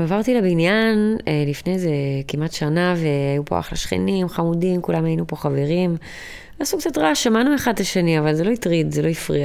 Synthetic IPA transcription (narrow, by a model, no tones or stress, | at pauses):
avaʁtilebinjanelifne̞zekimatʃanaveajupoa̰χlaʃχḛnimχamudimkulamajinupo̞χaveʁim | aːsukt͡satʁaʃamanueχadlaʃeniavalzelo̞itʁidzelo̞ifʁia